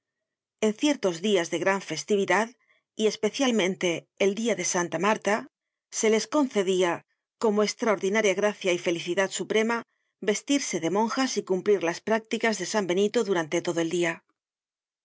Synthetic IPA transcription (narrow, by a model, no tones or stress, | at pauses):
e̞n̟θje̞ɾt̪o̞zðiazðe̞ɣɾaɱfe̞st̪iβ̞iðað | ie̞spe̞θjalmẽ̞nt̪e̞ː | ld̪iaðe̞sant̪amaɾt̪a | se̞le̞sko̞n̟θe̞ðia | ko̞moekst̪ɾao̞ɾðinaɾjaɣɾaθjaife̞liθiðat̪supɾe̞ma | be̞st̪iɾse̞ðe̞mõ̞ŋxasikumpliɾlaspɾak̚t̪ikazðe̞sambe̞nit̪o̞ðuɾant̪e̞t̪o̞ðo̞e̞ld̪ia